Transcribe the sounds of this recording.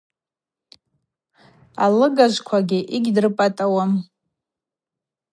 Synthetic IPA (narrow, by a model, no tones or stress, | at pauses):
a̰lɨɡaʒʷkʷʰaɡʲɪʔiɡʲdrɨpʼatʼawam